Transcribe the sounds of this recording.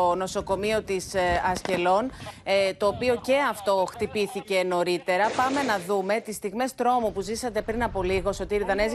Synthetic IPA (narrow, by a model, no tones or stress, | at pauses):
ono̞so̞ko̞mio̞t̪isɐsce̞lo̞nt̪o̞ːpio̞ce̞ɐft̪o̞xt̪ipiθice̞no̞ɾit̪e̞ɾɐpɐme̞nɐðume̞t̪ist̪iɣme̞st̪ɾo̞mupuzisɐt̪e̞pɾinɐpo̞liɣo̞so̞t̪iɾiðɐnez